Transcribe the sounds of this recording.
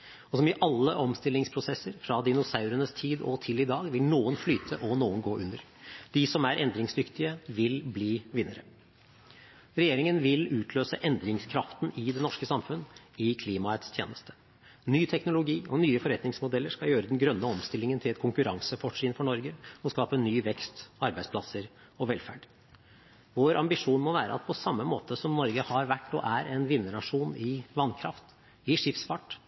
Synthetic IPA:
ɔsɔmɪʔɑlːəʔɔmst̪ɪlːɪŋspʰɾʊsɛsːəɾfɾɑd̪ɪnʊsɑʉɾənəst̪ʰiːd̪ɔ̰t̪ʰɪlɪd̪ɑːɡʋɪlnuːənflyːt̪ʰəʔɔnuːənɡoːʔʉnd̪əɾ | d̪̥ɪsɔmæɾʔɛnd̪ɾɪŋsd̪ʏkt̪ɪəʋɪlbliːʋɪnːəɾə̰ | ɾɛjeːɾɪŋənʋɪlʉːt̪ʰløːsəʔɛnd̪ɾɪŋskʰɾɑft̪nɪd̪ɛnɔʂkəsɑmfʉnː | ɪkʰliːmɑɛt̪st̪ʰjḛːnəst̪ʰə̥ | nyːt̪ʰɛknʊlʊɡiːɔnyːəfɔɾɛt̪nɪŋsmʊd̪ɛlːəɾʂkɑjøːɾəd̪ɛnɡɾœnːəɔmst̪ɪlːɪŋənt̪ʰɪlɛt̪kʰʊŋkʉɾɑŋsəfɔʂiːnfɔɳɔɾɡəɔskɑːpənyːʋɛkst̪ɑɾbæɪspʰlɑsəɾ | ɔʋɛlfæ̰ɖ | ʋoːɾʔɑmbɪʂuːnmɔʋæːɾə̰ɑt̪̚pʰɔsɑmːəmoːt̪əsɔmnɔɾɡəhɑɾʋæʈːɔ̰ːʔæɾɛnʋɪnːəɳɑʂuːnɪʋɑnkʰɾɑ̰ft̪ | ɪʂɪfsfɑʈ

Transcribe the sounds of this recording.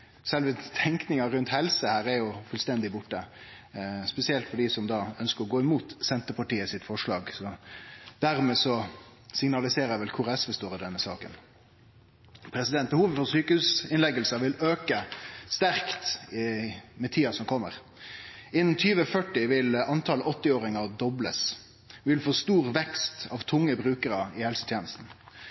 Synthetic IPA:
sɛlʋət̪ʰɛŋknɪŋɑɾʉnt̪hɛlsəhæːɾɛjʊfʉlst̪ɛnd̪ɪbʊʈːə | spɛsɪɛlt̪fɔɖiːsɔmd̪ɑːœnskəɾɔɡoːɪmuːt̪sɛnt̪əpɑʈiːəsɪt̪fɔʂɭɑːɡsɔd̪̥æɾmɛːsɔsɪŋnɑlɪseːɾəʋɛlkʰʊʁɛsʋəst̪oːɾəd̪ɛnːəsɑ̰ːkə̰n | pʰɾɛsɪd̪ɛnt̪̚bəhuːʋəfɔʁsyːkəhʉːsɪnlɛɡəlsəʋɪløːkəst̪æʁkt̪ɪmɛt̪ʰiːɑsɔmkʰɔmːə̰ʁ | ɪnn̩t̪ʰyːʋəfœʈɪʋɪlɑnt̪ʰɑlɔt̪ːɪoːɾɪŋɑd̪ɔbləs | ʋɪlfoːst̪uːʁʋɛkst̪ɑʋt̪ʰʊŋːəbʁʉːkəɾəɪhɛlsə̥t̪ʰjeːnəst̪n̩

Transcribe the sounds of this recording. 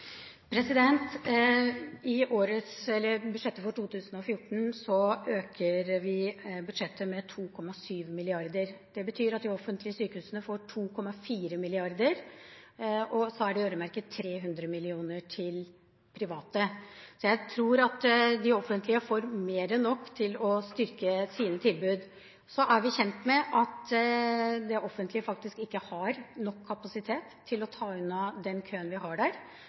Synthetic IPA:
pʰɾɛsɪd̪ɛnt̪ | ɪoːɾət̪sɛlːəɾbʉd̪ʂɛt̪ːəfɔʈʰuːt̪ʰʉːsənɔfjʊʈːɳ̩sɔøːkʰəɾʋɪbʉd̪ʂɛt̪ʰːəmɛt̪ʰuːkʰɔmːɑsyːʋmɪlɪɑɾd̪əɾd̪̥ɛbət̪ʰyːɾɑt̪̚d̪ɪɔfənt̪lɪəsyːkəhʉːsənəfoːʈʰuːkʰɔmːɑfiːɾəmɪlɪɑɾd̪əɾ | ɔsɔæɖɪøːɾəmæɾkət̪ʰːɾeːɦʉnd̪ɾəmɪlɪuːnəʈʰɪl | pʰɾɪʋɑːt̪əsɔjæɪt̪ʰɾuːɾɑt̪d̪ɪɔfːənt̪lɪəfoːɾmeːɾənːɔkːt̪ʰɪlɔst̪ʏɾkəsiːnət̪ʰɪlbʉːd̪ | sɔʔæɾʋɪçɛnt̪mɛʔɑt̪ | d̪ɛʔɔfːənt̪ʰlɪəfɑk̚t̪ɪskɪkːəhɑɾnɔkʰːɑpɑsɪt̪ʰeːt̪ʰːɪlɔt̪ʰɑːʉnɑd̪ɛnkʰøːənʋɪhɑɖæɾ

